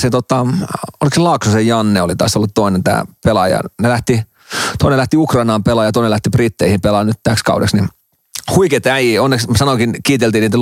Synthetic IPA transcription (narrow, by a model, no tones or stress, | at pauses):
set̪ot̪ːɑo̰likselɑksusejjɑnːeolit̪ɑ̰ˑsolːut̪t̪oinent̪æ̰ːpelɑjɑ̰nelæht̪i | t̪oinelæht̪iukrɑinɑːmpelɑːjɑt̪oinelæht̪iprit̪ːeihimpelɑːnyt̪t̪ækskɑ̰udḛksni | huiket̪æjionːekssɑnokinkiːt̪elt̪iːniːt̪æ